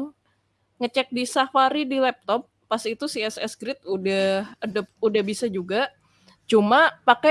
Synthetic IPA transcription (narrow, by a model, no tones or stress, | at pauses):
ŋ | ŋət͡ʃɛk̚disafaɾidilɛp̚t̪ɔp̚ːasit̪usiɛsɛ̰sɡɾɪt̪̚udahədəp̚udahbisad͡ʒuɡa | t͡ʃumapakɛ